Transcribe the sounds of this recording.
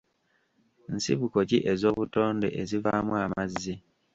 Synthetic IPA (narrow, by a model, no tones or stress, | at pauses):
n̩siβukociʔezo̞ːβuto̞ːnde̞̰ʔezivamuamazːi